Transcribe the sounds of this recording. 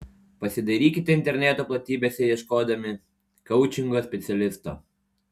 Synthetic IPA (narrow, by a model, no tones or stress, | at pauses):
pɐsʲɪd̪ɐɾʲiːkʲɪt̪ʲɛɪnʲt̪ʲɛɾʲnʲɛˑt̪oːplˠɐt̪ʲiːbʲeːsʲɛjɛʃkoːd̪ɐmʲɪ | kɐʊt͡ʃʲɪŋɡoːsʲpʲɛt̪sʲɛlʲɪst̪o̰ː